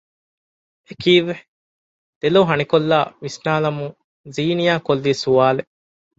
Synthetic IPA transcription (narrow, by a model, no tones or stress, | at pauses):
ekiːʋe | d̪̥elɐɦɐnikolːaːʋisnaːlɐmu | ziːnijaːkolːiːsuʋaːle